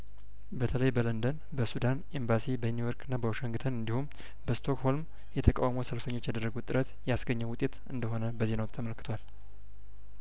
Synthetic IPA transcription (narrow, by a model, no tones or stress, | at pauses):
bət̪ʰələjbələnd̪ən | bəsud̪anembasibənujoɾkʰɨnːabəwoʃəŋɡɨt̪ʰənɨnd̪ihum | bəst̪ʰo̞kho̞lm | jɛt̪ʰəkʼa̰wmosəlfəɲːo̞t͡ʃːjad̪ərːəɡut̪ʼːɨɾət̪jɛasɡəɲːəwʊt̪ʼːe̞t̪ɨnd̪əɦo̞nəbəzenəwt̪ʰːəməlkɨt̪ʰowal